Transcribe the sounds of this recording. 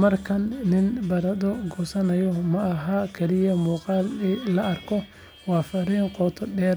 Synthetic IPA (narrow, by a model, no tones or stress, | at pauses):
mɐrkʰɐnːɪnbɐɾɐd̪ɔɡɔːsɐnɐjɔmɐʔɐɦakʰɐlɪjɐmuːqɑːllɐɐrkʰɔ | wɑːfɐɾiːŋqɔːt̪ʰɔɖɛːɾ